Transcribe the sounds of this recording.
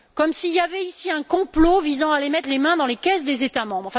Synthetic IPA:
kɔmsiljavɛisiɛ̃kɔ̃plovizɑ̃alemɛt̪χlemɛ̃d̪ɑ̃lekʲɛs̬d̪ezet̪amɑ̃bʁɑ̃fɛ̃

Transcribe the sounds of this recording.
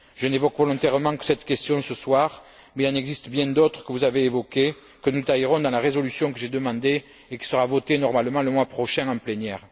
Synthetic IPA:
ʒənevɔkvɔlɔ̃t̪ɛʁəmɑ̃kə̥sɛt̪kɛst̪jɔ̃səswaʁ | mɛilɑ̃nɛɡzist̪əbjɛ̃d̪ɔt̪χə̥kəvuzaveːvɔke | kənut̪ajiʁɔ̃d̪ɑ̃laʁezɔlysjɔ̃kəʒed̪əmɑ̃d̪e | ekʲi̥səʁavɔt̪enɔʁmalmɑ̃ləmwapχɔʃɛ̃ɑ̃plenjɛʁ

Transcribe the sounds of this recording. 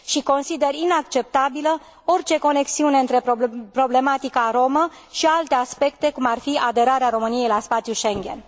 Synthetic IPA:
ʃiko̞nsid̪e̞rinakt͡ʃe̞p̚t̪abilə | o̞rt͡ʃe̞ko̞ne̞ksiune̞ɨnt̪ɾe̞popɾo̞ble̞mat̪ikaɾo̞mə | ʃialt̪e̞aspe̞k̚t̪e̞kumarfiad̪e̞ɾaɾeaɾo̞mɨnije̞jlaspat̪sjuʃeŋɡʲe̞̰n

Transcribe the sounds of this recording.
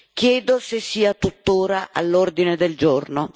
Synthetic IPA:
kjɛːd̪osesːiːat̪ut̪ːoːɾaʔa̰lːord̪ined̪eld͡ʒorno

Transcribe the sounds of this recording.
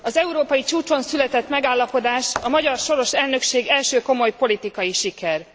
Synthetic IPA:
ɒzɛuɾoːpɒjit͡ʃuːt͡ʃo̞nsylɛt̪ɛt̪mɛɡaːlːɒpo̞d̪aːʃɒmɒɟɒrʃo̞ɾo̞ʃɛlnø̞kʃeːɡɛlʃøːko̞mo̞jpo̞lit̪ikɒjiʃikɛr

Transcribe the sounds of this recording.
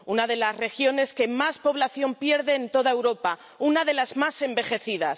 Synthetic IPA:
unaðe̞lasre̞xjo̞ne̞ske̞maspo̞βlaθjo̞mpje̞ɾðe̞ːnt̪o̞ðae̞wɾo̞pa | unaðe̞lazmase̞mbe̞xe̞θiðas

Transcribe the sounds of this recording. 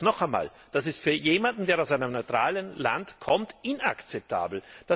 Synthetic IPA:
nɔχɛma̰ːl | d̥asɪstfyːɐjeːmandn̩d̥eːɐaʊsaɪnəmnɔʏtʁ̥aːlənla̰ntkʰɔmtʔɪna̰kt͡sɛp̚tʰa̰ːbl̩d̥a

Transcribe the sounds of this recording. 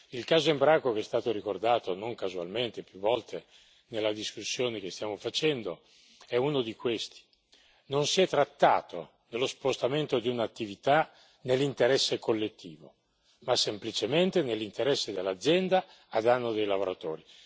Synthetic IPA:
ilkaːzoimbɾakokeɛst̪aːt̪oɾikord̪aːt̪onoŋkazua̰lment̪epjuvːɔlt̪ʰe | nelːad̪iskusːjoːnek̟est̪jaːmofat͡ʃɛnd̪o | ɛunod̪ikwest̪i̥ | nonsiɛt̪ːɾat̪ːa̰ːt̪o̰ | nelːospost̪ament̪od̪iunat̪ːivit̪a | nelːint̪eɾɛsːekʰolːet̪ːiːvo̰ | masːemplit͡ʃement̪enelːint̪eɾɛsːed̪elːad̪zːjɛnd̪aː | d̪anːod̪ejlavoɾat̪oːɾi

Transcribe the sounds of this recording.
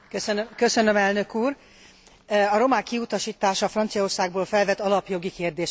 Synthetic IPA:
køsønkø̞sø̞nømɛlnø̞kuːr | ɒɾo̞maːkːiut̪ɒʃiːt̪aːʃɒfrɒnt̪sijɒo̞rsaːɡ̚boːlfɛlvɛt̪ːɒlɒpjo̞ɡikeːrd̪eːʃ

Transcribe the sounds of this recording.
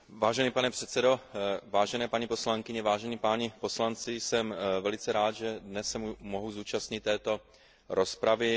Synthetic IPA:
vaːʒɛnipanɛpr̝̥ɛt̪t͡sɛdo̞vaːʒɛnɛːpaɲipo̞slaŋkɪɲɛvaːʒɛniːpaːɲɛpo̞slant͡sɪjsɛmvɛlɪt͡sɛɾaːd̪ʒɛdnɛsːɛmumoɦuzuːt͡ʃast̪ɲɪt̪ːɛːt̪o̞ | ɾʔo̞spɾavɪ

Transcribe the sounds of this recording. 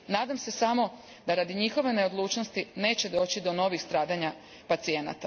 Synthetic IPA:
naːd̪amse̞samo̞ | d̪aɾad̪iɲixo̞ʋe̞ne̞od̪lˠuːt͡ʃno̞st̪ine̞ːt͡ɕe̞d̪o̞ːt͡ɕid̪o̞no̞ʋixst̪ɾaːd̪aɲa | pat̪sie̞na̰t̪a

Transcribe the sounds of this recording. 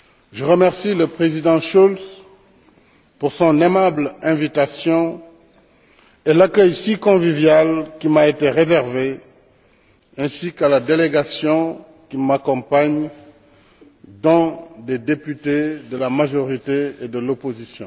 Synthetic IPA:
ʒəʁəmɛʁsiləpχezid̪ɑ̃ʃuls | puʁsɔ̃nemablɛ̃vit̪asjɔ̃ | elakœjsikɔ̃vivjalkimaet̪eʁezɛʁve | ɛ̃sikalad̪eleɡasjɔ̃ | kimakɔ̃paɲ | d̪ɔ̃d̪ed̪epyt̪ed̪əlamaʒɔʁit̪eed̪əlopozisjɔ̃

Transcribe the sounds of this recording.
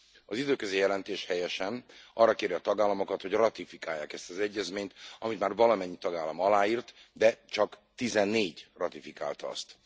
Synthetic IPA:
ɒzid̪øːkøzeːjɛlɛnt̪eːʃhɛjɛʃɛnɒrːɒkeːɾiɒt̪ɒɡaːlːɒmo̞kɒt̪ho̞ɟrɒt̪ifikaːjːa̰ːkɛst̪ɒzɛɟːɛzmeːɲt̪ɒmit̪maːrvɒlɒmɛɲːit̪ɒɡaːlːɒmɒlaːiːrt̪d̪ɛt͡ʃɒkt̪izɛnːeːɟrɒt̪ifika̰ːlt̪ɒ̰st̪

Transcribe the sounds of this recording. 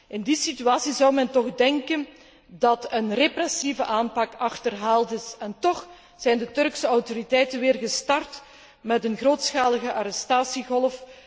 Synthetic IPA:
ʔɪndisityaːsizɑwmɛntɔɣdɛŋkən | dɑtənreprɛsivəʔaːnpɑkɑxtərɦaːlˠtɪsɛntɔx | z̥ɛjndətɵrksəɔwtoɾitɛjtənʋɪːrɣəstɑrt | mɛtənɣroːtsxaːləɣəʔaɾɛstaːsiɣɔlˠf

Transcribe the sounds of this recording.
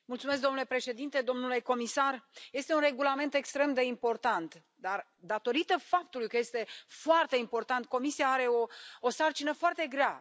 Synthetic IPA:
mult̪sumes̬k̚d̪o̞mnulepɾe̞ʃe̞d̪int̪ed̪o̞mnule̞ko̞misarje̞st̪e̞unre̞ɡulame̞nt̪e̞kst̪ɾe̞md̪e̞impo̞rt̪ant̪ | d̪ar | d̪at̪o̞ɾit̪əfap̚t̪ulujkəje̞st̪e̞foart̪e̞impo̞rt̪ant̪̚ko̞misijaaɾe̞o̞osart͡ʃinəfoart̪e̞ɡɾea

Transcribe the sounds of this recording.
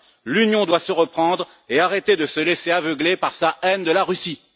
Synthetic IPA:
lynjɔ̃d̪wasəʁəpχɑ̃d̪ʁ | eaʁet̪ed̪əsəleseavəɡlepaʁsaɛnd̪əlaʁysi

